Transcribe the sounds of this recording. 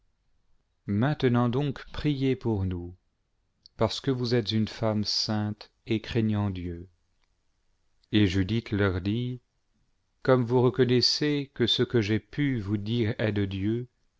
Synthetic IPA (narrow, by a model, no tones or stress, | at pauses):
mɛ̃t̪ənɑ̃d̪ɔ̃kpχijepuʁnu | paʁsə̥kəvuzɛt̪zynfamsɛ̃t̪ | ekχɛɲɑ̃d̪jø | eʒyd̪it̪lœʁd̪i | kɔmvuʁəkɔnɛsekəsəkəʒepyvud̪iːʁɛd̪əd̪jø